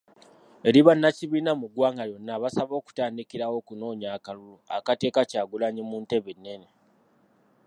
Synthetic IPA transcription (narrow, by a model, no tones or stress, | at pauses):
e̞ɾiβanːaciβiːnamuɡwaːŋɡaɾjo̞nːaβasaβo̞ːku̥taːndikiɾawo̞ːkuno̞ːɲaːkaluloa̰kate̞ːkacaːɡulaɲimuːnte̞βenːe̞ne̞